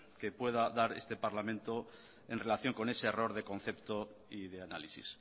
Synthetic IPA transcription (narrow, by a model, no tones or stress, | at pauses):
ke̞pwe̞ð̞aðaɾe̞̰st̪e̞paɾlamẽ̞nt̪o̞ | e̞nre̞laθjo̞ŋko̞ne̞se̞ːro̞ɾðe̞kõ̞n̟θe̞pt̪o̞iðe̞analisḭs